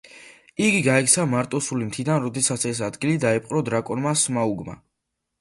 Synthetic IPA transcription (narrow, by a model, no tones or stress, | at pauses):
iɡiɡaɛk̚tsʰamaɾt̪ʼɔsulimt̪ʰid̪anɾɔd̪ɛsat̪sɛs̬ad̪ɡilid̪aɛpʼqʼɾɔd̪ɾakʼɔnmasmauɡma̰